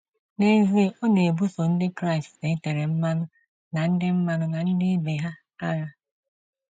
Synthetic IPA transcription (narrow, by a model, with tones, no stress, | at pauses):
ne˦zi˦ɔ˦ne˨bu˦so˨n̩˦dɪ˦kɾa˦ɪ˨ste˨˦te˨ɾe˨m̩˦ma˦nʊ˦ | na˨n̩˦dɪ˦m̩˦ma˦nʊ˦na˨n̩˦dɪ˦be˨ɦa˦ | a˦ɣa˦